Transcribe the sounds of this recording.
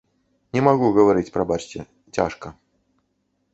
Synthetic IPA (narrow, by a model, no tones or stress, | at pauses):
nʲɛmaɣuɣɐvaɾɨt͡sʲpɾɐbat͡ʂt͡sʲɛ | t͡sʲa̰ʂkɐ